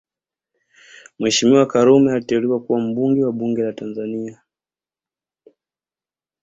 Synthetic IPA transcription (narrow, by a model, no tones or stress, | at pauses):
mwɛʃimiwakaɾumɛalitɛuliwakuwam̩ɓuŋɡɛwaɓuŋɡɛlatanzania